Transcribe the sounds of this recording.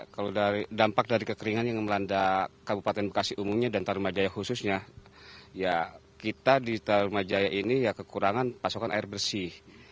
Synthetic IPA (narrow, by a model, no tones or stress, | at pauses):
kalodaɾidampak̚daɾikəkəɾiŋanjaŋməlandakabupat̪ɛnbəkasihumumɲadant̪aɾumad͡ʒajahususɲa | jakit̪adit̪aɾumad͡ʒajaʔinijakəkuɾaŋanpasokanʔa̰ɪrbərsih